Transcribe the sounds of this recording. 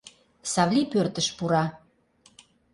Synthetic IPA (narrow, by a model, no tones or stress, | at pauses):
sɑβlʲipørt̪əʃpuɾɑ